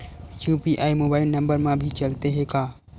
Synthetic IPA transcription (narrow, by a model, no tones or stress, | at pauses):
jupiʔaːimobaːɪlnə̃mbəɾmãbʱit͡ʃəlt̪eɦekaː